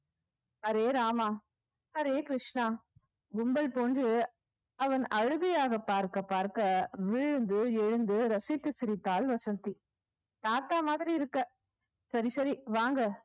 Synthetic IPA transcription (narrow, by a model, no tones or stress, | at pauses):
ɐɾeːɾaːmaː | ɐɾeːkɾɪʂɳaː | ɡʊmbɐlpoːndrɯ | ɐʋɐnɐɻɯɣɐjaːɣɐpaːɾkɐpaːɾkɐʋɪɻɯnd̪ɯɛɻɯnd̪ɯɾɐsɪt̪ːɯsɪɾɪt̪ːaːlʋɐsɐnt̪ːi | t̪aːt̪ːaːmaːðɪɾiɪɾɯkːɐ | sɐɾisɐɾiʋaːŋɡɐ